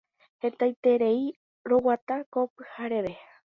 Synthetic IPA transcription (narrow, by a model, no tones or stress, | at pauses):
hẽ̞t̪ajt̪e̞ɾe̞i | ɾo̞wat̪akopɨ̥haɾe̞ʋe̞